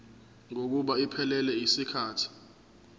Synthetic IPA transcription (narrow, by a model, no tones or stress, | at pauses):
ŋok̬uɓaipʰɛlɛlɛisikʰaːtʰi̥